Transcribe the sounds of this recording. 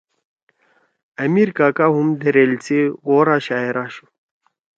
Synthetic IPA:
ɐmiɾkaːkaɦumd̪eɾelt͡sʰiɣoːɾaɕaːeɾaɕu̥

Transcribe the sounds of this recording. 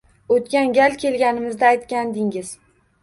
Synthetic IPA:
ot̪kʲanɡʲalkʲʰe̞lɡʲanɪmɪzd̪aːjt̪kʲand̪ɪŋɪz

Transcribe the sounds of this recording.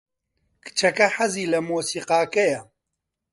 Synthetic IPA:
kʰɨ̥t͡ʃʰɐkɐħɐziːlɐmoːsiːqaːkɐjɐ

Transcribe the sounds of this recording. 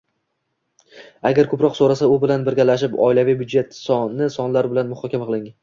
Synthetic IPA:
aɡʲaɾkʰɵpɾɒqsoɾasaʊbɪlanbɪɾɡʲalaʃ̬ɪpɒ̰ɪlavijbjʊd̪d͡ʒe̞t̪sɒnːɪsɒnlaɾbɪlanmʊχɒkʲamaqʰɨlˠɪŋ

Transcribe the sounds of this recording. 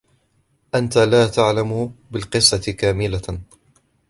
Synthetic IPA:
ʔant̪alaːt̪aʕlamʊbɪlqɨsˤːɑt̪ɪkaːmɪla

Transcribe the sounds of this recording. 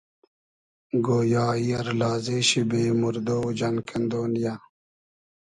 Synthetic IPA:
ɡoːjɑːiːɐɾlɑːzeːɕibeːmuɾd̪oːd͡ʑɐnkɐnd̪oːnja

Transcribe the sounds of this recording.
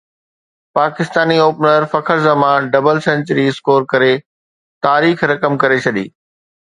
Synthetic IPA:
paːkɪst̪aːnioːpnəɾfɐkʰəɾzɐmaːnɖɐbəlsɐ̃ɲt͡ɕəɾiɪskoːɾkɐɾe | t̪aːɾiːxɾɐkəmkɐɾet͡ɕʰɐɗḭː

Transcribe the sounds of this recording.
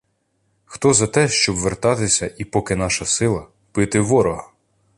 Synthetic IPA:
xt̪ɔzɐt̪ɛʃt͡ʃɔbʋert̪ɑt̪ɪsʲɐʔipɔkɪnɑʃɐsɪlˠɐ | pɪt̪ɪʋɔɾɔɦɐ

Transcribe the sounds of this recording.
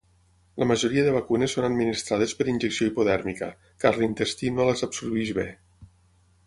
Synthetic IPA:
ləməʒoɾiəðəβ̞əkunesːonəd̪minist̪ɾað̞espəɾinʲʒeksioipoðɛɾmikə̰ | kazlint̪est̪inolezabsuɾβiʃβḛ

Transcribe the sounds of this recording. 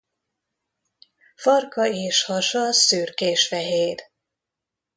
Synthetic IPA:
fɒrkɒeːʃhɒʃɒsyːrkeːʃfɛɦeːr

